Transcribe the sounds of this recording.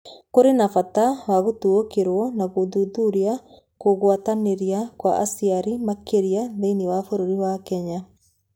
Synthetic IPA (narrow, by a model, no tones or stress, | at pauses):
koɾenafatawaɣotuokeɾwɔnaɣoðuðuɾia | koɣwataneɾiakwa̰ʔasiaɾimakeɾiaðeiniwafoɾoɾiwakɛɲa